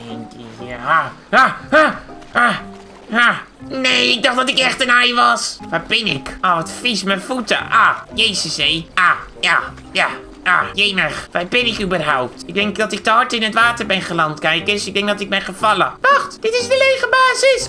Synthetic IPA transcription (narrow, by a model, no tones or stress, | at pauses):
ɛndiihahaha | ha | haneːɪk̚dɔxdɔtɪkɛxtənɛjʋɔsʋabɪnɪkʔoʋɔtfismənfutə̰ʔajeːsəsejʔaja | ja | a̰jeːməxʋabɪnɪkybərɦawp̚tɪk̚dɪŋkdɔtɪk̚təɔɹtɪnətʋaːtərbɛnχəlantkɛjkɪsɪk̚dɛŋkdɔtɪk̚mɛjχəfɑlˠəʋaxtd̥ɪtɪsdəlejxəbaːzɪs